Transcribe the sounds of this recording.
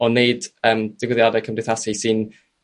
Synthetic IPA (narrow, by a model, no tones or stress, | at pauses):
ɔneɨdəːmd̥ɪɡwɪðjadɛkʰəmrɪθasisɪn